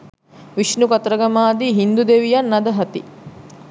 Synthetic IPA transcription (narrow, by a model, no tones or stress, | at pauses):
ʋiʃnukɐt̪ɾɐɡɐmaːd̪iɦind̪ud̪eʋijɐnːɐd̪ɐɦɐt̪ḭ